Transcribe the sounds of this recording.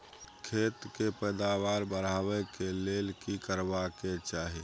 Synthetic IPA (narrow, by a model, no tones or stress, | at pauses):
kʰet̪kepəjd̪aʋaɾbəɾ̤aʋɛkelelkikəɾbaket͡ʃaɦi